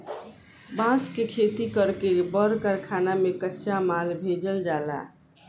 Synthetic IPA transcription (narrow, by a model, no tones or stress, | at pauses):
bãskekʰet̪ikəɾkebəɾkəɾkʰanamekətːʃamalbʱed͡ʒəld͡ʒaːla̰